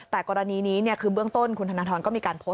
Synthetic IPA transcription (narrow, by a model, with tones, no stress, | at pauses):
t̪ɛː˨˩kɔː˧ɾa˧niː˧niː˦˥ni˥˩ɐkʰɯː˧bɯ˥˩əŋt̪o˥˩nkʰu˧nt̪a˧naː˧˥t̪ʰɔː˧nkɔː˥˩iː˧kaː˧npʰo˦˥